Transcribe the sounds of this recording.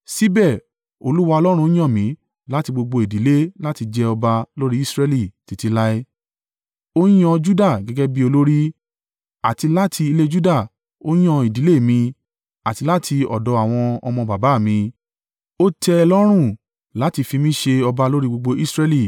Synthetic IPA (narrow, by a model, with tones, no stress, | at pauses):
si˦bɛ˦˨ | o̰˧lu˦wa˧ɔ˧lɔ˦ɾ̃ũ˧˦j̃ɔ̃˦˨mĩ˨˦ | la˦ti˧ɡ͡bo˧ɡ͡bo˧i˨di˨˦le˦la˦ti˧d͡ʒɛ˦ɔ˧ba˧lo˦ɾi˦i˦sɾɛ˦˧li˦˨ti˨˧ti˧la˦i˦ | o˦j̃ɔ̃˧d͡ʒu˦da˦˨ɡɛ˦ɡɛ˦bi˦o˧lo˦ɾi˦ | a˨ti˧la˦tʰi˧i˧le˦d͡ʒu˦da˦˨ | o˦j̃ɔ̃˦i˨di˨˦le˦˨mĩ˧ | a˨ti˧la˦tʰi˧ɔ̰˨dɔ˨˧a˨w̃ɔ̃˧ɔ˧mɔ̃˧ba˨ba˨˦˨mĩ˧ | o˦tʰɛ˧ɛ˧lɔ˦ɾ̃ũ˦˨ | la˨˦ti˧fi˧mĩ˦ʃe˧ɔ˧ba˧lo˦ɾi˦ɡ͡bo˧ɡ͡bo˧ʔi˦sɾɛ˧li˦˨